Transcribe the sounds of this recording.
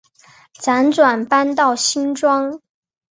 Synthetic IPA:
t͡sa˧˥nʈ͡ʂwa˨˩npa˥nt̪ɑ˥˩ʊɕi˥nʈ͡ʂwɑ˥ŋ

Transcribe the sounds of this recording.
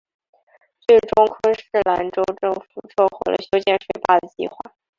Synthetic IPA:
t͡ɕy˥˩ʈ͡ʂʊ˥ŋkʰɤ˥ʂɻ̩˥˩la˧˥nʈ͡ʂo˥ʊʈ͡ʂɤ˥˩ŋfu˨˩ʈ͡ʂʰɔ˥˩xwɔ̰˧˥lə̰˧ɕjo˥ʊt͡ɕjɛ˥˩nʂwe˨˩ɪpa˥˩d̪ə˩t͡ɕi˥˧xwa̰˥˩

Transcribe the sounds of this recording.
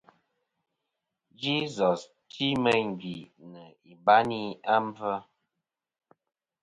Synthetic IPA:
d͡ʒi˦zɔ˨s | tʰi˦mə˦ŋ˨ɡi˨nə˨i˨ba˦ni˦a˦m˦və˦

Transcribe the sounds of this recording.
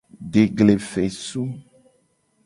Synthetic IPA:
ɖe˨ɡle˨fe˨su˦

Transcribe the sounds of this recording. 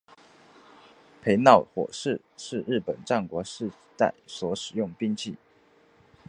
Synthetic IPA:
pʰe˧˥ɪnɑ˥˩ʊxwɔ̰˨˩ʂɻ̩˥˧ | ʂɻ̩˥˧ɻɻ̩˥˩pə˨˩nʈ͡ʂa˥˩ŋkwɔ˧˥ʂɻ̩˥˧ | t̪a˥˩ɪswɔ˧˥˦ʂɻ̩˨˩jʊ˥˩ŋpi˥ŋt͡ɕʰḭ˥˩

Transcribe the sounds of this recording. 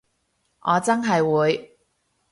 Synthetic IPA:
ʔɔː˨˧t͡sɐ˥nɦɐ˨jwuː˨˧j

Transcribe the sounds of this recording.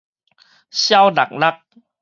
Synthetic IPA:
ɕja˥˧˩wna̰˨˩k̚la˦k̚

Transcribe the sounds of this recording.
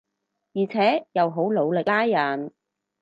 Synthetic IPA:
jiː˨t͡sʰɛː˨˥jɐ˨˧wɦo˨˥wlo˨˧wlɪ˨k̚laː˥jːɐː˨˩n

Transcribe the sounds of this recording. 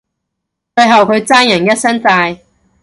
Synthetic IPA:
t͡sɵ˧ɥɦɐ˨wkʰɵ˨˧ɥt͡saː˥ŋjɐ˨˩njɐ˥t̚sɐ˥nt͡saː˧j

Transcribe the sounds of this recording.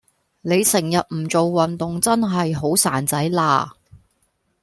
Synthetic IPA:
ne˨˧jsɪ˨˩ŋjɐ˨t̚m̩˨˩t͡so˨wwɐ˨nt̪ʊ˨ŋt͡sɐ˥nɦɐ˨jɦo˨˥wsa̰ː˨˩nt͡sɐ˨˥jlaː˧

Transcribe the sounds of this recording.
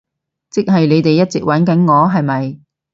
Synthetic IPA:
t͡sɪ˥k̚ɦɐ˨jne˨˧jt̪e˨jːɐ˥t̚t͡sɛ˨k̚wʔɐ˨˥nkɐ˨˥nŋɔː˨˧ɦɐ˨jmɐ˨j

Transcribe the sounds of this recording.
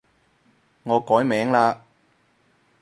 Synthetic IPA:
ŋɔː˨˧kɔː˨˥jmɛː˨˥ŋlaː˧

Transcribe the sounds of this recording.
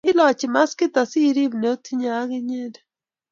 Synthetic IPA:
ɪ˦lɔ˨t͡ʃɪ˨ma˦skɪ˦t̪a˨si˦ɾi˦bne˨o˦t̪ʰi˦ɲa˦ɣɪ˦ɲe˦d

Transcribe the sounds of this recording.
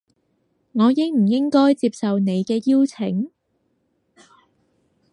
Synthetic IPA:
ŋɔː˨˧jɪ˥ŋm̩˨˩jɪ˥ŋkɔː˥jt͡siː˧p̚sɐ˨wne˨˧jkɛː˧jiː˥wt͡sʰɪ̰˨˩ŋ

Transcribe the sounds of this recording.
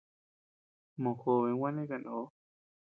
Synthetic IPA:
mõ˨xo˨ẽ˧wʷã˦nẽ˦ka˧˨nõ̰˨˦

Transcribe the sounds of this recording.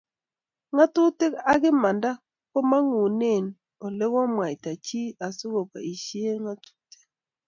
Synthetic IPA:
ŋa˦tu˦te˦a˦ɡɪ˦ma˨nda˦ | ko˦ma˦ŋu˨ne˦˨n | o˨le˦wɔ˦mwa˨i˨ta˨t͡ʃi˦a˨su˦ɣo˨pa̰˨i˨ʃje˦ŋa˦tu̥˦te̥˦

